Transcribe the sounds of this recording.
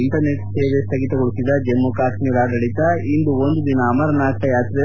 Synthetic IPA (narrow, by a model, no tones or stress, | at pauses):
iɳʈɐɾneʈseːʋest̪ʰɐɡit̪ɐɡuɭusid̪ɐd͡ʒemːukaːʃmiːɾaːɖɐɽit̪ɐind̪uond̪ud̪inɐːmɐɾɐnaːʈʰɐjaːt̪ɾe